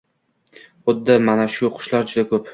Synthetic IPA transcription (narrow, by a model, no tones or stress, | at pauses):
od̪ːamanaʃʊqʰʊ̥ʃlaɾd͡ʒʊd̪akʰɵp